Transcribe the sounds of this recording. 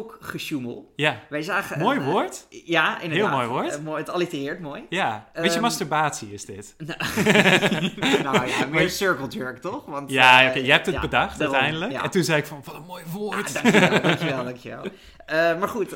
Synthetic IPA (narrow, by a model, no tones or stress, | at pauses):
okχəʃuməlˠjaʋɛjzaːχəmoːjʋoːɹtjaɪnɦɪːlˠmoːjʋoːɹtmoətɑlitərɪːɹtmoːjjaɪtjəmɑstəɹbaːtsiɪzdɪt | nomɪːɹsøɹkəlˠtøɹktɔχʋɑntjaokejəɦɛp̚təbədɑχtœɥtɛjndələkɛntunzɛjɪkfɑnʋɔtmoːjʋoːɹtkɛlˠdɑŋkjəɛ̰lˠ | əmaːɹχut